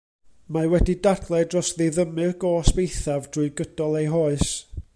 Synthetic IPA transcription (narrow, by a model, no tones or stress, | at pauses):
mawɛdidarθʰlˠɛdrɔsðeðəmɨɡ̥ɔsb̥ejθavd̥rʊɨɡəd̥ɔlˠejɦoːɨs